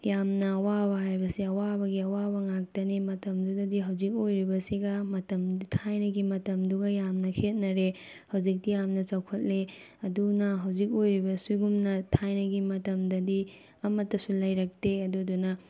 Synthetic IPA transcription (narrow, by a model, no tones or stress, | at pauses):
jamnɐːwabɐɦajbɐsiɐwabɐɡiɐwabɐŋak̚tɐnimɐtɐmdudɐdiɦɐwd͡ʒik̬̚ojɾibɐsiɡɐmɐtɐmtʰajnɐɡimɐtɐmduɡɐjamnɐkʰet̚nɐɾe | hɐwd͡ʒik̚dijamnɐt͡ʃawkʰɐt̚le | ɐdunɐɦɐwd͡ʒik̬̚ojɾibɐsiɡumnɐtʰajnɐɡimɐtɐmdɐdi | ɐmɐtːɐsulɐjɾɐk̚teɐduɐdunɐ